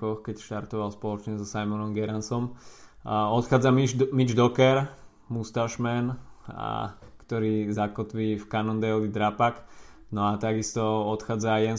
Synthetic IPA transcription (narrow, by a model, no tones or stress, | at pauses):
ɔxkɛcʃt̪aɾt̪ɔʋalspɔlɔt͡ʃɲɛzɔsajmɔnɔmɡɛɾansɔm | ɔt̪xaːd͡zamimid͡ʒd̪ɔkɛɾ | must̪aʃmɛn̰ | kt̪ɔɾiːzakɔt̪ʋiːfkanɔnd̪ɛlid̪ɾapak | nɔat̪aɡist̪ɔɔt̪xaːd͡zajɛn